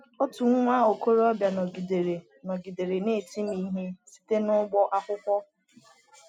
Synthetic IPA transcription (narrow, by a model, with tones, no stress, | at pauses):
o˦tu˨ŋ̩˦ŋʷa˦o˨ko˦ɾɔ˦bja˨nɔ˨ɡi˨de˨ɾe˨ | nɔ˨ɡi˨de˨ɾe˨ne˦˨ti˦mi˦ɦe˦si̥˦te˦nʊ˦ɡ͡bɔ˦ʔa˦kʷʊ˦kʷɔ˦